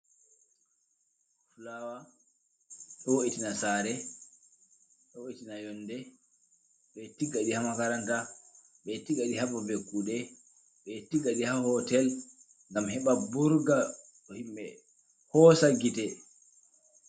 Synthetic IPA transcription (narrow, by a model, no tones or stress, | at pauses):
fulawa | ɗɔwoʔitinasaɾɛ | ɗɔwoitinajɔnːdɛ | ɓɛtiɡːaɗihamakaɾanta | ɓɛtiɡaɗihabɔbekːuɗɛ | ɓɛtiɡaɗihahɔtɛl | ŋɡamhɛɓabuɾɡa | ɗɔhimɓɛ | hɔsaɡitɛ